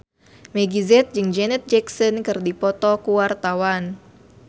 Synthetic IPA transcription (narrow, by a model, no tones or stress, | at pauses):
mɛɡizɛt̪̚d͡ʒɨŋd͡ʒɛnɛt̪̚d͡ʒɛksɔnkɨrdipɔt̪ɔkuwart̪awan